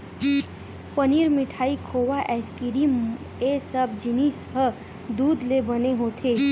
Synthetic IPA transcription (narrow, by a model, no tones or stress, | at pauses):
pəniɾmɪʈʰaːikʰowaʔɛskiɾim | esəbd͡ʒinisɦə | d̪uːd̪lebəneɦot̪ʰe